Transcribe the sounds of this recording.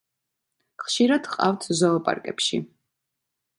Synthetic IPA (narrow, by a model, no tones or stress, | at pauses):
χʃiɾad̪̥qʼa̰ft̪ʰzɔːpʼa̰ɾkʼɛ̰pʃḭ